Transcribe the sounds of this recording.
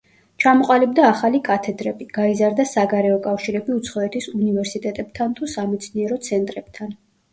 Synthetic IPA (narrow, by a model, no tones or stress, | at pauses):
t͡ʃʰamɔqʼalibd̪aːχalikʼat̪ʰɛd̪ɾɛbiɡ̥aizaɾd̪asaɡaɾɛɔkʼafʃiɾɛbiut̪sʰχɔɛt̪ʰisunivɛɾsit̪ʼɛt̪ʼɛb̥̚t̪ʰant̪ʰusamɛt̪sʰniɛɾɔt̪sʰɛnt̪ʼɾɛb̥̚t̪ʰan